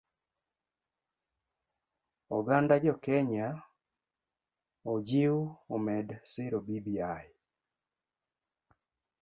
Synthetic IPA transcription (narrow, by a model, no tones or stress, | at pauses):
ɔɡandad͡ʒɔkɛɲa | od͡ʒiomɛdsɪɾobibiaj